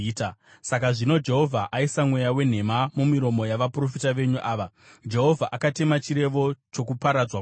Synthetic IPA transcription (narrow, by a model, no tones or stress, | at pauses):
ta | sakaʐino̞d͡ʒe̞ɦo̞vʱaʔaisamwe̞jawe̞n̤e̞mamumiɾo̞mo̞jaʋapro̞fitaʋe̞ɲuʔaːʋa | d͡ʒe̞ɦo̞vʱaʔakate̞mat͡ʃiɾe̞ʋo̞t͡ʃo̞kupaɾad͡zwa